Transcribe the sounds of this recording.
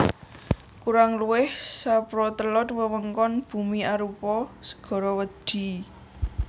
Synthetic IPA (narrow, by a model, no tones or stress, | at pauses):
kuɾaŋluwɪhsapɾɔt̪əlɔt̪̚wəwəŋkɔnb̥ṳmiaɾupɔsə̥ɡ̥ɔ̤ɾɔwəd̪̥i̤